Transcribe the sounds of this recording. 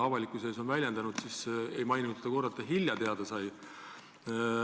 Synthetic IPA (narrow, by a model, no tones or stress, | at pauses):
ɑvɑlʲikːˑuse̞ːs̬o̞nvælʲjend̪ɑnud̪̥sisejmɑjnut̪se̥d̪ɑko̞rdɑt̪ːɑɦilʲjɑt̪eɑd̪ɑsɑj